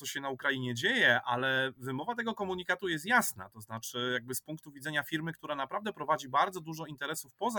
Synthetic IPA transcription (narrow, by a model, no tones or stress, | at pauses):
ɔɕɛnaukɾajiɲɛd͡ʑejɛʔalɛvɘmɔvat̪ɛɡɔkɔmuɲikat̪ujɛs̬t̪jasna̰t̪ɔznat͡ʂɘjaɡ̚bɘspuŋk̚t̪uvʲidzɛɲafʲiɾmɘkt̪uɾanapɾavd̪ɛpɾɔvad͡ʑibaɾd̪zɔd̪uʐɔint̪ɛɾɛsufpɔza